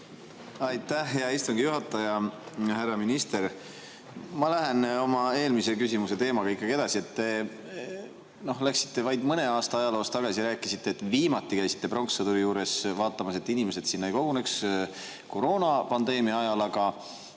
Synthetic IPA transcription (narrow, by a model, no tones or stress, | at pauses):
ɑjt̪ːæhɦːeɑist̪uŋɡ̥ijuɦɑt̪ːˑɑjɑhærːɑminist̪e̞ɾ | mɑlæɦeno̞mɑe̞ːlmise̞kysʲimuse̞t̪e̞ːmɑɡ̥ɑikːˑɑɡie̞d̪ɑsie̞t̪ːe̞ | no̞hlæksi̥t̪ːe̞vɑjd̪mɤne̞ɑːst̪ɑɑjɑlo̞ːst̪ɑɡ̥ɑsiɾæːkːˑisit̪ːeːt̪ːˑviːmɑt̪ˑːikæjsi̥t̪ːe̞pro̞ŋksɑt̪uɾijuːɾe̞svɑːt̪ˑːɑmɑse̞t̪ːˑinimese̞t̪sinːɑjko̞ɡ̥uneks | ko̞ɾo̞ːnɑpɑnd̪e̞ːmiɑɑjɑlɑɡɑ